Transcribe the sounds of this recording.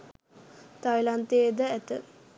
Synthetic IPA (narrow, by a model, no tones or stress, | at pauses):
t̪ajlant̪ed̪əæt̪ə